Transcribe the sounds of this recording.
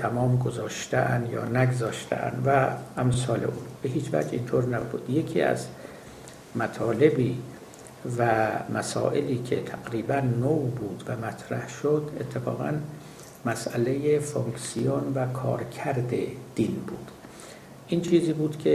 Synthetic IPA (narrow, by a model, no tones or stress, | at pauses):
t̪ʰæmɒːmɡozɒːʃt̪eʔænd̪jɒ̰ːnæɡzɒːʃt̪ʰḛʔæ̰nd̪væːmsɒːlḛʔuːnb̥e̞ɦiːt͡ʃvæ̰d͡ʒḭnt̪ʰoːɾnæbuːd̪̥je̞kʰḭːæ̰z | mæt̪ʰɒːle̞biː | væmæsɒ̰ːʔe̞liːkʰe̞t̪ʰæɡɾiːbænːobuːd̪væmæt̪ʰɾæhʃod̪e̞̰t̪ʰːe̞fɒ̰ːɣæ̰n | mæsʔælejefoŋksijonvækʰɒ̰ːɾcʰæɾd̪e̞̰d̪̥inbuːd̪̥ | ʔint͡ʃʰiːziːbuːd̪̥kʰe